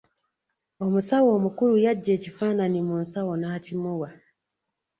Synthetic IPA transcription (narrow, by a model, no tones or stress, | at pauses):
omusawoːmukulujaɟːecifaːnanimunsawonaːcimuwa